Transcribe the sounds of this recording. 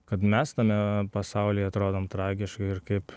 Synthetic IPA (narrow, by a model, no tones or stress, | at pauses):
kɐt̪mʲɛst̪ɐmʲɛpɐsɐʊlʲeːjɐt̪ɾoːd̪oːmt̪ɾɑːɡʲɪʃkɐɪɾkɐɪp